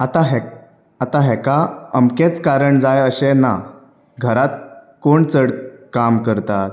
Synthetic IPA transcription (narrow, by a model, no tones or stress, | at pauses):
at̪aɦɛ | at̪aɦɛkaəmket͡skaɾəɳd͡zajəɕena | ɡʱəɾat̪̚koɳt͡səɽkamkəɾt̪at̪̚